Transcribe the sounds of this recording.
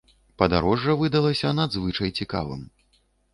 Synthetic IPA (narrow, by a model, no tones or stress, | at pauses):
pɐd̪aɾɔʐːɐvɨd̪ɐlˠɐsʲɐnad̪zvɨt͡ʂɐjt͡sʲika̰vɨ̰m